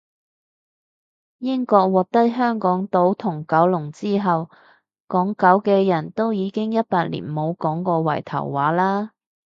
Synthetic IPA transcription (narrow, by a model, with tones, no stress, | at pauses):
jɪ˥ŋkɔː˧k̚wɔː˨˩k̚t̪ɐ˥t̚ɦœː˥ŋkɔː˨˥ŋt̪o˨˥wt̪ʰʊ˨˩ŋkɐ˨˥wlʊ˨˩ŋt͡siː˥ɦɐ˨w | kɔː˨˥ŋkɐ˨˥wkɛː˧jɐ˨˩nt̪o˥wjiː˨˧kɪ˥ŋjɐ˥t̚paː˧t̚lḭː˨˩nmo˨˧wkɔː˨˥ŋkɔː˧wɐ̰˨˩jt̪ʰɐ̰˨˩wːaː˨˥laː˥